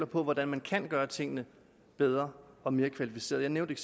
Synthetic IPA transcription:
lɐpʰɒ̽ʋɒdænmænkʰæn̰ɡ̥ɶːɐt͡sʰe̝ŋ̰ənə | b̥eð̞ˠʁɐɒ̽me̝ːɐkʰʋælifi̥se̝̰ɐjaɪneʊd̥eɡ

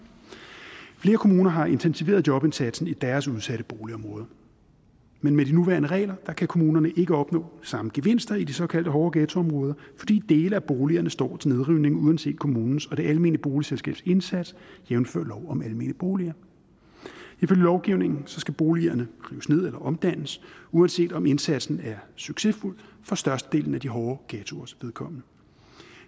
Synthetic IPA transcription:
fle̝ːɐkʰo̝muːnɐɦɑ̈e̝nt͡sʰensiʋe̝̰ːɐðˠdjɒ̽b̥e̝nsæd̥sn̩id̥æɐsuð̞ˠsæɾ̥əb̥o̝ːliɒ̽mʁɔ̽ːð̞ˠɐ | menmed̥inuʋæɐnəʁɛ̰ːlɐd̥ɑ̈kʰækʰo̝muːnɐnəʔe̝ɡ̥əɒ̽b̥nɔ̰̽ːsɑ̈məɡ̥e̝ʋe̝n̰sd̥ɐid̥isɒ̽kʰæl̰d̥əɦɒːɡ̥ɛːt͡sʰo̝ɒ̽mʁɔːð̞ˠɐfɒ̽d̥ḭːd̥e̝ːləæb̥o̝ːliɐnəsd̥ɒ̰ːt͡sʰe̝ne̝ð̞ˠʁiʊ̰ne̝ŋuðˠænse̝̰ːd̥̚kʰo̝muːnn̩sɒ̽d̥e̝ʔælme̝ːnliəb̥o̝ːliselsɡ̥ɛ̰ːb̥se̝nsæd̥sjemn̩fø̰ɐ̰lɒʊɒ̽mælme̝̰n̰ib̥o̝ːliɐ | iføljəlɒʊɡ̥iʊne̝ŋn̩sɒ̽sɡ̥æb̥o̝ːliɐnəʁiːʊsne̝ð̰ˠelɐʔɒ̽md̥æn̰əsuænse̝̰ːd̥ɒ̽me̝nsæd̥sn̩æɐsyɡ̥se̝ful̰fɒ̽sd̥ɶɐsd̥əd̥e̝̰ːln̩æd̥iɦɒːɡ̥ɛːt͡sʰo̝ɐsʋe̝ðˠkʰɒ̽m̰nə

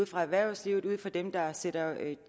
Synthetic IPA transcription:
ð̰ˠfʁɑ̈æʋæɐ̰ʊsliːʊð̩ˠuð̞̰ˠfɒ̽d̥emd̥ɑ̈seɾ̥ɐ

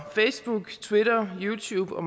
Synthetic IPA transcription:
feɪsb̥uɡ̥t͡sʰwiɾɐjuːt͡sʰuːb̥ɒ̽m

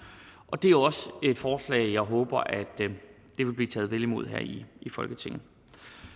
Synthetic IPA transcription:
ʔɒ̽d̥e̝æɒ̽se̝d̥fɒːslɛ̰ːɪjɑ̈ɪɦɔ̽ːb̥ɐʔæd̥ː | e̝ʋe̝lb̥liːt͡sʰɛ̰ːðˠʋelimo̝ð̞̰ˠɦæ̰ɐ̰iifɒ̽lɡ̥ət͡sʰe̝ŋn̩

